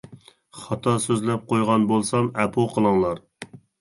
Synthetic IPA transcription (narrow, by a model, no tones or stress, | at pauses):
χɑt̪ʰɑsøzlɛp̚qʰojʁɑnbolˠsɑmɛpʰoqʰəlˠɨŋlˠɑɾ